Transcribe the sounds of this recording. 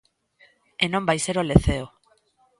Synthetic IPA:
enombajseɾoleθeo

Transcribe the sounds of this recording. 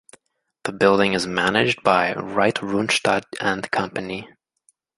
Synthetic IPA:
ðəbɪlˠdɪ̃ŋɨzmænɪ̰d͡ʒ̚baɪɹaɪtʰɹũnʃtɑdɨ̃nkʰʌ̃mpɨni

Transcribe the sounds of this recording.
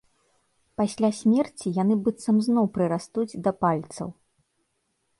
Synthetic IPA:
pasʲlʲasʲmʲɛrt͡sʲijan̪ɨbɨt̪sɐmznɔwpɾɨɾast̪ud͡zʲd̪ɐpalʲt̪sɐ̰w

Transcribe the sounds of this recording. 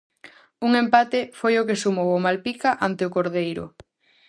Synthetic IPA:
uŋempat̪efojokesumowomalpikaʔant̪eokoɾðejɾʊ̰

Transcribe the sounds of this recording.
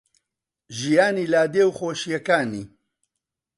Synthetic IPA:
ʒijaːniːlaːd̪eːwxoːʃijɐkaːni

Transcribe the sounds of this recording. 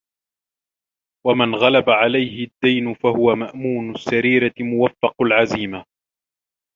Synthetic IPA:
wamɪnɣalabaʕalajhɪd̪ːajnʊfahʊwamaʔmuːnʊsːaɾiːɾamʊwafːɑqʊlʕaziːma

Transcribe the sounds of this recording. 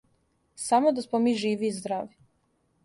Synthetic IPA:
samod̪asmomiːʒiːʋiːzd̪ɾaʋi

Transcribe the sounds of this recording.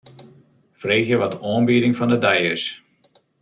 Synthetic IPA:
freːxjəʋɔtəoːnbiədɪŋfɔndədɛjɪs

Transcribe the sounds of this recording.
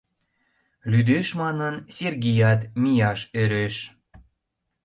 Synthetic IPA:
lyd̪eʃmɑnənserɡʲijɑt̪mijɑʃøɾeʃ

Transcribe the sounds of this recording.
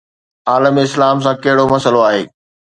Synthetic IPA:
aːləmiɪslaːms̬ãkɐɦɪɽomɐsəloaːɦḛː

